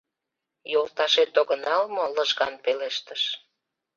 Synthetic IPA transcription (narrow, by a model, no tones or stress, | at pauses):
jolt̪ɑʃet̪oɣənɑlmoləʒɣɑnpeleʃt̪əʃ